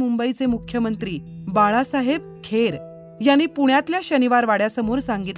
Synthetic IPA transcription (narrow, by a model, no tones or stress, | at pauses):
mumbəit͡semukʰjəmənt̪ɾiːbaɭasaɦeb̚ | kʰeɾ | janːiːpuɳ̃jat̪ljaɕəniʋaɾʋaɽjasəmoɾsãŋɡit̪